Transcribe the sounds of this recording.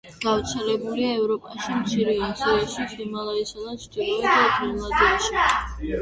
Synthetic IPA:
ɡ̥avɾt̪sʰɛlɛbuliaɛvɾɔpʼaʃimt̪sʰiɾiɔnt̪sʰiɾiaʃisimalˠaisad̪at͡ʃt͡ʃ̪ʼibuɾid̪at̪ʰinlˠad̪iaʃi

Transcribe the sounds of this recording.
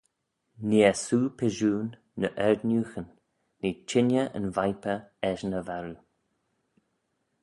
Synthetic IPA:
niːəsuːpʰɛʒuːnː | əʔɛɹd̪njuːxənː | eːt͡ʃʰɪnjəʔə̰nvajpəɛʃnəvaɾu

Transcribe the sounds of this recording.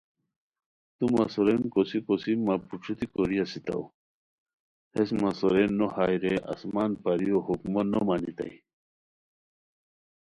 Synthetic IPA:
t̪umasoɾenkosikosimapuʈ͡ʂʰut̪ikoɾijasit̪a̰w | hesmasoɾenːohajɾea̰smaːnpaɾijohukmonomanit̪a̰j

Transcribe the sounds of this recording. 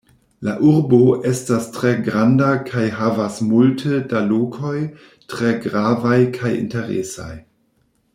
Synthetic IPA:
laʔuɾboʔestastʁeɡɾandakʰajɦavasmultʰədalokʰo̞j | tʁeɡɾavajkʰajḭnteɾḛsa̰j

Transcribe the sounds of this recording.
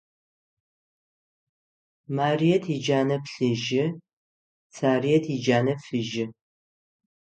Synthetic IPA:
maːrijɛtʰid͡ʒaːnɐpɬɨʒɪ | t͡sʰaːrijɛtʰid͡ʒaːnɐfɨʒɪ

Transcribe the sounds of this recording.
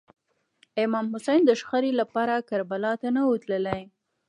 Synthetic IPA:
ɪmɑmhʊsajnd̪əʃxaɾelapɑɾakaɾbalɑt̪anawət̪ləlaj

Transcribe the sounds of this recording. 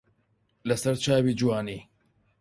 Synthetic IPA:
lɐsɐɾt͡ʃʰaːwiːd͡ʒuwaːniː

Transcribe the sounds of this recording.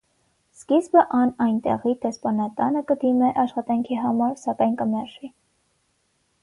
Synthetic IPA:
skizbəʔɑnɑjnt̪ɛ̰ʁid̪ɛspɑnɑt̪ɑnəkəd̪imɛʔɑʃχɑt̪ɑŋkʰiɦɑmɑɾsɑkɑjnkəmɛrʒi

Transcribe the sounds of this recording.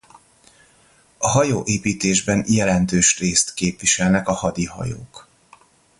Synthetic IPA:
ɒɦɒjoːʔeːpiːt̪eːʒbɛnjɛlɛnt̪øːʃreːst̪keːpvʋiʃɛlnɛkɒhɒd̪ihɒ̰jo̰ːk

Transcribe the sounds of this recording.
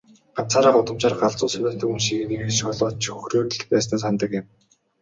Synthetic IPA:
aw̥t͡sʰaːɾaːχʊt̪ə̆mt͡ɕaːrɢaɮt͡sʊːsœmʲæːɬt̪ɵ̆kunʃiɣɘ̆niɣeːʃɔɮɔːt͡ɕʰxɵxroːrt̪ɘ̆ɮpæːs̬næːs̬ant̪ə̆kɪ̆m

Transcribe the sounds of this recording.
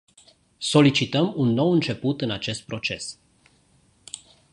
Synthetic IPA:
so̞lit͡ʃit̪əmunːo̞wɨnt͡ʃe̞put̪ɨnat͡ʃe̞st̪̚pɾo̞t͡ʃe̞s

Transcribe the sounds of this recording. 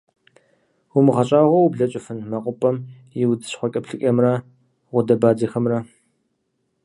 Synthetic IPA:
wʊmɨʁɐɕʼaːʁʷɐwbɮɐt͡ʃʼɪfɨnmɐqʷʼʊpʼɐm | jɪwdɨɕχʷɔkʲʼɐpɬɨkʼɐmrɐ | ʁʷʊdɐbaːd͡zɐxɐmrɐ

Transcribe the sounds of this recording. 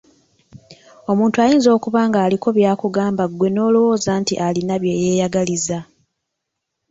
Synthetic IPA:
o̞muːntuajiːnzo̞ːkuβaːŋɡaːliko̞βjaːkuɡaːmbaɡwe̞no̞ːlowo̞ːzantiʔalinaβje̞ːje̞ːjaɡaliza

